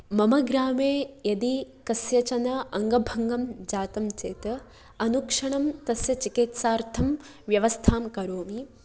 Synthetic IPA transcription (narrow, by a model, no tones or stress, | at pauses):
mɐmɐɡɾaːmeːjɐd̪ikɐsjɐt͡ʃɐnɐɐŋɡɐbʱɐŋɡɐmd͡ʒaːt̪ɐmt͡ʃeːt̪ɐ | ɐnukʂɐɳ̃ɐmt̪ɐsjɐt͡ʃikit̪saːɾt̪ʰɐm | ʋjɐʋɐst̪ʰaːmkɐɾoːmi